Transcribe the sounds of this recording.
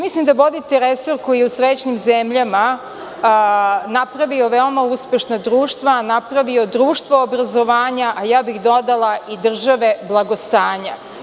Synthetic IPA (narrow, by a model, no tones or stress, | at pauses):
mislimd̪aʋo̞d̪it̪eɾesoɾkojeusɾet͡ɕnimzemʎama | napɾaʋio̞ʋeomauspe̞ʃnad̪ɾuːʃt̪ʋanapɾaʋio̞d̪ɾuːʃt̪ʋoobɾazoʋaːɲaʔajaːbixd̪o̞d̪alˠaid̪r̩ʒaʋe̞blˠaɡost̪aːɲa